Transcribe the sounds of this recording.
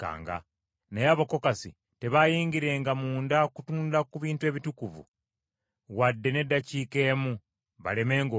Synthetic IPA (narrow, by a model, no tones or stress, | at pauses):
ka̰ːŋɡa̰ | nejaβo̞ko̞kasḭ | te̞βajiːŋɡiɾe̞ːŋɡamuːndakutuːnlakuβiːntue̞ːβitukuvṵ | wadːe̞ne̞dːaciːke̞ːmu | βa̰le̞me̞ːŋɡo